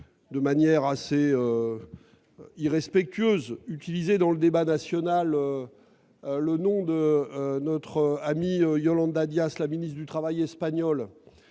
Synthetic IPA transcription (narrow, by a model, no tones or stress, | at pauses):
d̪əmanjɛʁaseø | iʁɛspɛk̚t̪ʰɥøzyt̪ilized̪ɑ̃ləd̪ebanasjɔnalø | lənɔ̃d̪ənɔt̪χəamiøjɔlɑ̃d̪ad̪jaslaminist̪d̪yt̪χavajɛspaɲɔl